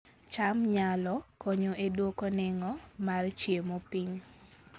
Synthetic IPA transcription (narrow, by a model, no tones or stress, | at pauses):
t͡ʃamɲalɔkoɲoʔedwokonɪŋɔmart͡ʃjemopiɲ